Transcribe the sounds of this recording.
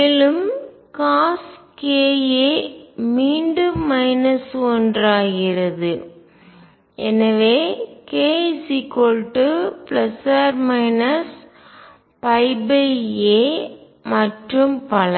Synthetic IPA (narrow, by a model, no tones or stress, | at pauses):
meːlɯm | kaːskeːjeːmiːɳɖɯːɐɪnɐsɔndraːɣɪɾɐðɯ | ʔɛnɐʋeːkeːsikolʈːɯplɐsaɾmɐɪnɐs | pɐɪbɐeː | mɐʈrɯmpɐlɐ